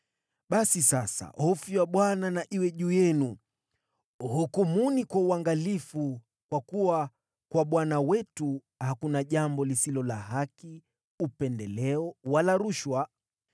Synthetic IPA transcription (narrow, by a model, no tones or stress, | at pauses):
ɓasisasa̰hɔfiwaɓwananaʔiwɛʄuːjɛnu | hukumunikwauwaŋɡalifu | kwakuwa | kwaɓwanawɛtu | hakunaʄambɔlisilɔlaɦaki | upɛndɛlɛɔwalaɾuʃwa